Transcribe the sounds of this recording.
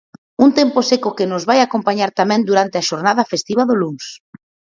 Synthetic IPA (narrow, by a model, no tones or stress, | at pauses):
unt̪emposekʊkɪnʊzβajakompaɲaɾt̪amɛ̃nd̪uɾant̪eaʃoɾnað̞ɐfest̪iβaðʊluŋs